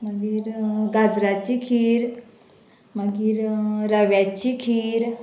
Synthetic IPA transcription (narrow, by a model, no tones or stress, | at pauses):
məɡiːɾɡad͡zɾat͡ɕikʰiːɾ | məɡiːɾɾəʋjat͡ɕikʰiːɾ